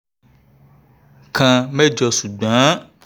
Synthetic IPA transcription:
kʰã˧mɛ˦d͡ʒɔ˧su˨ɡ͡bã˨˦

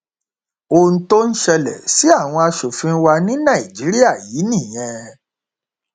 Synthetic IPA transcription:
o˧n̩˦to˦n̩˦ʃɛ˧lɛ̰˨si˨˦a˦˨w̃ɔ̃˧a˧ʃo˨fĩ˧˦wa˧nĩ˦nã˦˨i˨d͡ʒi˨˦ɾi˦a˦˨ji˨˦nĩ˦˨j̃ɛ̃˧

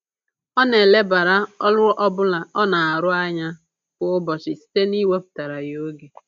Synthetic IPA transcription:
ɔ˦ne˨le˦ba˨ɾa˦ɔ˦lʊ˦ɾʊ˦ʔɔ˦bʊ˦la˨ɔ˦na˨a˨ɾʊ˦a˦ɲa˦ | kʊ˦ʊ˦bɔ˨t͡ʃɪ˨si̥˦te˦ni˦we˦pʊ̥˨ta˨ɾa˨jo˦ɡe˨

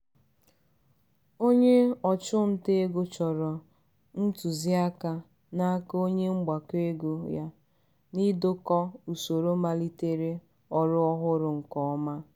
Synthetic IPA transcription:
o˦ɲe˦ɔ˨t͡ʃʊ˦n̩˨te˦ɡʊ˦t͡ʃɔ˨ɾɔ˨ | n̩˦tu˨zi˦a˦ka˦ | na˦ko˦ɲe˦ŋ͡m̩˦ɡ͡ba˨ke˦ɡu˦ja˦ | ni˦do˦kɔ˦u˨so˨ɾo˦ma˦li˦te˦ɾe˦ | ɔ˨ɾʊ˦ɔ˦ɦʊ˦ɾʊ˨ŋ̩˨kɔ˦ɔ˦ma˦

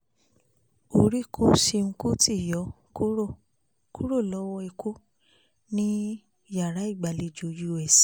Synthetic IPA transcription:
o˧˨ɾi˦kʰo˦si˧ŋ̩˧ku˦ti˦˨jɔ˨˦ | ku˦o˦˨ | kʰu˦ɾo˦˨lɔ˦wɔ˧i˧ku˦ | nĩ˦ | ja˦˨ɾa˨˦i˦˨ɡ͡ba˨li˧˦d͡ʒo˨ju˧˨ɛ˨si˦

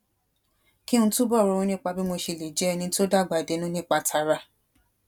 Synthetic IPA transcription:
ki˦nũ˧˦tũ˦bɔ˦˨ɾɔ˨˧ɾũ˨˧nĩ˦k͡pa˧bi˦mo˧ʃe˧le˨d͡ʒɛ˨˦ɛ˧nĩ˧˦to˦da˦˨ɡ͡ba˨de˨˦nũ˦nĩ˦k͡pa˧tʰa˧ɾa˧

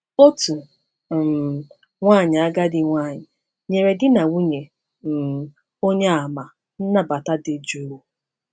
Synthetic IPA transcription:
o˦tu˨ | ŋʷaː˦˨ɲɪ˨a˦ɡa˦dɪ˦ŋʷa˦˨ɲɪ˨ | ɲe˨ɾe˨dɪ˦na˨wu˦ɲe˨ | m̩˨ | o˦ɲe˦a˨ma˨ | n̩˦na˦ba˨ta˦dɪ˦d͡ʒu˦ɾu˦

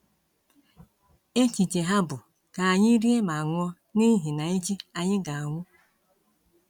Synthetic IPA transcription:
e˦t͡ʃi˨t͡ʃe˨ɦa˦bʊ˨ | ka˨a˨ɲɪ˦ɾi˦e˦ma˨a˨ŋʷɔ˦ | ni˦ɦi˨na˨i˦t͡ʃi˦a˨ɲɪ˦ɡa˨a˨ŋʷʊ˦

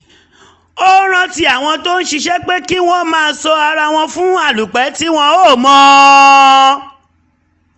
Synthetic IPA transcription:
o˦ɾ̃ã˧ti˧a˨w̃ɔ̃˧to˦n̩˦ʃi˧ʃɛ˦k͡pe˦ki˦w̃ɔ̃˦mãː˦˧n̩˦sɔ˧a˧ɾa˧w̃ɔ̃˧fũ˦a˦˨lu˨k͡pɛ˨˦ti˦w̃ɔ̃˧o˦˨mɔ̃˨˦

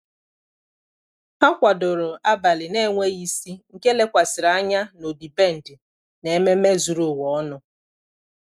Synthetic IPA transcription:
ha˦kʷa˨dʊ˨ɾʊ˨a˦ba˨lɪ˨ne˦ŋʷe˦i˦si˦ŋ̩˨ke˦le˦kʷa˨sɪ˨ɾa˦ɲa˦no˨di˨be˦˨n̩˨dɪ˨ | ne˨˦me˦me˦zu˨ɾu˦˨wɔ˨˦ɔ˦nʊ˨

